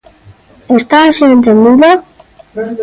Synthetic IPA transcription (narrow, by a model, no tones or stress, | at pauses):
est̪asient̪end̪iðo